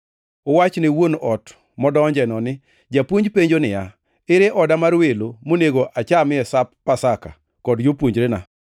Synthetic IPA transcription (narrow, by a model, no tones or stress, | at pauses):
owat͡ʃnɪwonɔt | mɔdɔːɲd͡ʒɛnɔnɪ | d͡ʒapwoɲd͡ʒpeɲd͡ʒonɪja | ɪɾeʔɔdamarwelomoneɡoʔat͡ʃamɪɛsapːasaka̰ | kɔdjopwoɲd͡ʒɾena